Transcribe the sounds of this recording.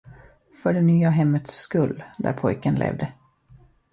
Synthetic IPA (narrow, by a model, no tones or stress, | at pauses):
fœɖɛnyːaɦɛmːət̪sːkɵlːd̪æ̰ɾpʰɔjkənlʔḛːvd̪ə